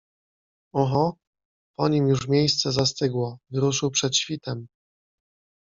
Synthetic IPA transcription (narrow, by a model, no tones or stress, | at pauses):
ɔxɔ | pɔɲimjuʐmʲjejst̪sɛzast̪ɘɡwɔvɘɾuʂɘwpʂɛt̪ɕfʲit̪ɛm